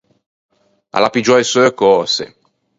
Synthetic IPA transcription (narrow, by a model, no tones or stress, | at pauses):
a̰lapid͡ʒɔesookɔːsḛ